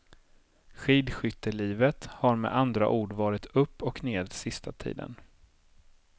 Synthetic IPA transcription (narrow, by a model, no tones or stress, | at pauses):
ɧiːd̪ɧʏt̪ːəɭiːvət̪haɾmɛ̰ʔand̪ɾa̰ʔuːɖvɑːɾɪt̪ɵpːɔkneːd̪sɪst̪at̪ʰḭːd̪ə̰n